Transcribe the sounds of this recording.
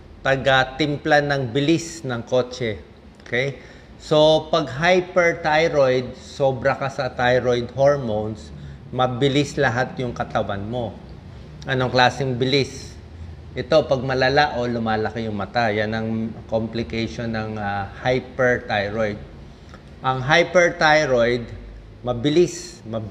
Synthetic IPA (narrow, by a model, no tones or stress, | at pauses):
t̪ɐɡɐt̪ɪmplanɐŋbɪlɪsnɐŋko̞ːt͡ʃɛ | okej | so̞pɐɡɦajpɛɹt̪ajɾojd̪̚so̞ːbɾɐkɐsɐt̪ajɾo̞jd̪hoɹmons | mɐbɪlɪslɐɦat̪jʊŋkɐt̪ɐwanmo̞ | ʔɐno̞ŋklaːsɪŋbɪlɪs | ʔɛt̪o̞pɐɡ̚mɐlɐlaʔo̞lʊmaːlɐkɪjʊŋmɐt̪ajanɐŋkomplɪkɛʃo̞nːɐŋɐhajpɛɹt̪ajɹojd̪̚ | ʔɐŋɦajpɛɹt̪ajɹo̞jd̪̚ | mɐbɪlɪs | mɐ